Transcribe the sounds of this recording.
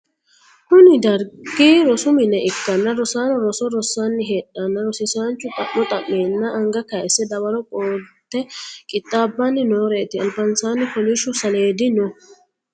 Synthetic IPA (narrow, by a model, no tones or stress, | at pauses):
hʊnɪd̪ɐɾɡiːɾɔsʊmɪnɛʔɪkːɐnːɐɾɔsaːnɔɾɔsɔɾɔsːaːnːɪɦeːɗːɐnːɐɾɔsɪsaːnt͡ʃːʊt̪ʼɐʔɔt̪ʼɐʔːeːnːɐʔɐŋɡɐkɐɛsɛd̪ɐwɐɾɔkʼoːt̪ːɛkʼɪt̪ʼːaːbːɐnːɪnoːɾeːt̪ɪɐlbɐnsaːnːɪfɔliʃʊsɐle̞ːd̪ɪnɔ